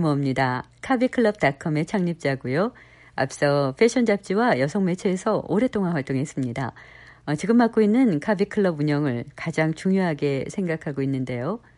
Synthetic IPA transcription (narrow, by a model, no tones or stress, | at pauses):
muʌmɲidakʰabikʰɯɭːʌb̚takʰʌme̞t͡ɕʰaŋɲip̚t͡ɕ͈aɡujo | a̰p̚s͈ʌpʰe̞ɕʰʌnd͡ʑap̚t͡ɕ͈iwajʌsʰʌŋme̞t͡ɕʰe̞ːsʰʌoɾe̞t͈oŋanɸwaɭt͈oŋe̞s͈ɯmɲida̰ | ʌt͡ɕiɡɯmːak͈oinːɯnkʰabikʰɯɭːʌbuɲʌŋɯɭkad͡ʑaŋt͡ɕuŋjoɦaɡe̞sʰe̞ŋɡakʰaɡoinːɯnde̞jo